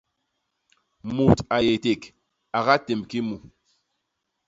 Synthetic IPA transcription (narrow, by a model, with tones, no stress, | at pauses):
mu˨ta˨je˨te˨k | a˨ɣa˦te˨mki˦mu˨